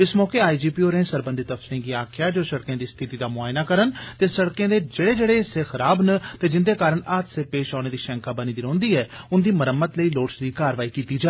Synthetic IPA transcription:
ɪsmɔːkeːaːiːd͡ʒiːpiːoːɾẽːsəɾbənd̪it̪əpʰsɾĩːɡiːaːkʰjaːd͡ʒoːsəɽkjãːd̪iːst̪ʰɪt̪iːd̪aːmʊaːjnaːkəɾənt̪eːsəɽkjãːd̪eːd͡ʒeːɽeːd͡ʒeːɽeːseːxʰəɾaːbnət̪eːd͡ʒɪnd̪eːkaːɾəɳaːt̪seːpeːʃaːɽ̃eːd̪iːʃɛ̃ːŋkaːbəniːd̪iɾõːnd̪iːɛː | ʊnd̪iːməɾəmːət̪ləiːloːʈsd̪iːkaːɾʋaːiːkiːt̪iːd͡ʒaː

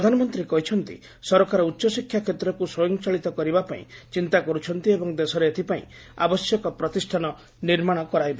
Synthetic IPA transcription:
pd̪ʱanɔmɔnt̪ɾikɔɦit͡ʃʰɔnt̪ḭ | sɔɾɔkaɾɔutːʃɔsikʰːjakʰet̪ɾɔkusɔjɔŋt͡ʃaɭit̪ɔkɔɾibapaḭ̃t͡ʃint̪akɔɾut͡ʃʰɔnt̪iebɔŋd̪esɔɾeːt̪ʰipaḭ̃ | a̰bɔsjɔkɔpɾɔt̪isʈʰanɔ | niɾmaɽ̃ɔkɔɾajba

